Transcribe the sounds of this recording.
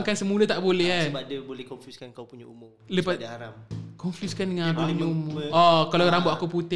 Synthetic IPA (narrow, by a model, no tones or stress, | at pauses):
ŋkansəmulət̪aʔbolɛɦabadəbolɛhkɔnfjuskankawpuɲaumʊmləpasdhaɾamkɔnfjuskandəŋãnakupuɲəumʊɔkalaɾamboʔakuput̪ɪ